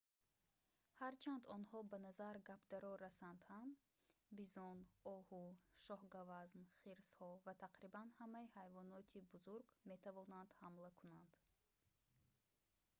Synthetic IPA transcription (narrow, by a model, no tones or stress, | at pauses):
haɾt͡ʃʰand̪ɔnhɔbanazaɾɡapʰd̪aɾɔɾːasand̪ham | bizɔnɔhuʃɔhɡavaznχiɾshɔvat̪ʰaqɾibanhamaihajvɔnɔt̪ʰibuzuɾɡme̞t̪ʰavɔnand̪̥hamlakʰunand̪̥